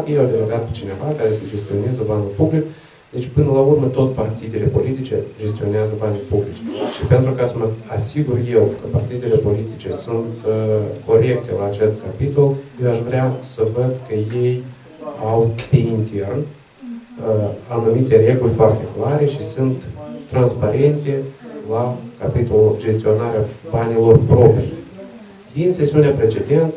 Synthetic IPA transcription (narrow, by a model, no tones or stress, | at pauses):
kjejawd̪eloɡat̪̚pet͡ʃine̞vakaɾe̞səd͡ʒe̞st̪io̞ne̞zəbanulʲpublik | d̪e̞t͡ʃʲpɨnəlaurmət̪o̞t̪ʲpart̪id̪ele̞po̞lit̪it͡ʃe̞̰d͡ʒe̞st̪io̞neazəbanujʲpublit͡ʃʃipe̞nt̪ɾukasəməasiɡurje̞wkəpart̪id̪ele̞po̞lit̪it͡ʃe̞sunt̪kʰo̞ɾe̞kt̪e̞laːt͡ʃe̞st̪kapit̪o̞ljewaʃvɾeasəvəd̪kəje̞j | awp̪eint̪e̞rn | anumit̪e̞ɾe̞ɡulʲfoart̪e̞klaɾe̞ʃisunt̪ːɾanspaɾe̞nt̪e̞lakapit̪o̞lud͡ʒe̞st̪io̞naɾeabanilo̞rpɾo̞pij | d̪inse̞siuneapɾe̞t͡ʃe̞d̪e̞nt̪ə